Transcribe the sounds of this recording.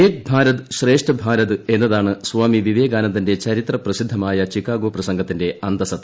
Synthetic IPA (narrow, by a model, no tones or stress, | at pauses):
eːk̚bʱaːɾɐðɨɕre̞ːʂʈɐbʱaːɾɐðɨe̞nːɐðaːɳɨsʋaːmiʋiʋe̞ːɡaːnɐnt̪ːinde̞t͡ɕɐɾit̪rɐprɐsid̪ʱːɐmaːjɐt͡ɕikːaːɡoprɐsɐŋɡʱɐt̪ːinde̞ɐnd̪ɐsɐt̪ːɐ